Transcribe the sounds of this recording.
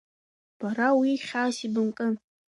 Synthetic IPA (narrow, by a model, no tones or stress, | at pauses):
b̥aɾawiχʲaːsibɨmkʼɨn